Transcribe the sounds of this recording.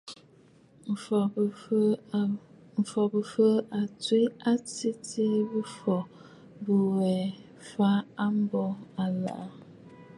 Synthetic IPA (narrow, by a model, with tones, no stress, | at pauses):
m̩˨fɔ˨bə˨fə˦ʔa˨twi˦a˦ti˦tʰi˦bə˦fɔ˨ | bə˨wɛ˨ | fa˦a˦m̩˦bɔ˦a˨la̰˨ʔ